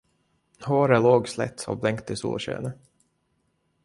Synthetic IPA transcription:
hoːɾəloːɡslɛ̰t̪ːɔ̰blɛŋkt̪ɪsṵːlɕø̰ːnə

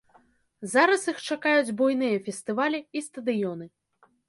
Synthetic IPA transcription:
zaɾɐsixt͡ʂakajud͡zʲbɔjn̪ɨjɐfʲɛst̪ɨvalʲiist̪ɐd̪ɨjɔnɨ

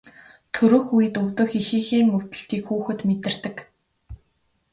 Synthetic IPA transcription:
t̪ʰɵɾɵ̆xujɘ̆t̪ɵwt̪ɵ̆xixiːxiːŋɵw̥ʲt̪ɘ̆ɬt̪iːkxuːxɘ̆t̪met̪ɘ̆r̥t̪ɘ̆k

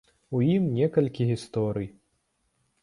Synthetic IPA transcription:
ujimnʲɛkɐlʲkʲiɣʲist̪ɔɾɨj

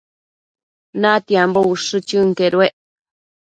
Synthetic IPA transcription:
nãt̪iambouʂɨt͡ʃɨŋkeɾweʔ

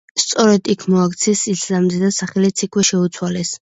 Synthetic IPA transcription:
st̪sʼɔɾɛd̪ikʰmɔakt̪sʰɛsiszamzɛd̪asaχɛlit̪sʰikʰwɛʃɛut̪sʰwalɛs

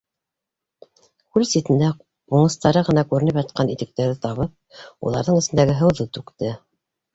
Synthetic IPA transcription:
kʉlsit̪ɘ̆nd̪æ | uɴɤ̆st̪ɑɾɤʁɤ̆nɑkʉɾɘ̆nɘpjɑt̪̚qɑnit̪ɘ̆k̚t̪æɾðɘt̪ɑβɤp̚ṵlˠɑɾðɤɴɘ̆sɘ̆nd̪æɡɘɦɤ̆wðɤt̪ʉkt̪ɘ

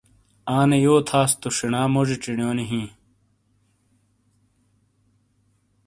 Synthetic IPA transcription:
aːnejoːt̪ʰaːst̪uɕinaːmod͡ʑiʈ͡ʂiɳjoːniɦĩː

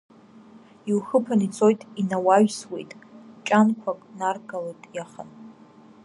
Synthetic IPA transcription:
iwxəpʰanit͡sʰʼo̞jtʼinawaɥswejtʼt͡ʃʼankʷʰakʼnarɡalejtʼjaχə̰n

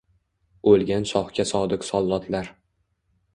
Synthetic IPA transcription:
olˠɡʲanʃɒχkʲasɒd̪ɪqsɒlˠːɒt̪ʰlaɾ

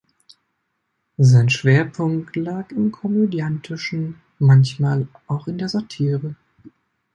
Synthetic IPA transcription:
zaɪnʃv̥eːɐpʰʊŋktlaːkɪmkʰɔmødjantʰɪʃn̩ | mançmaːlʔaʊxɪndeːɐzatʰiːʁə

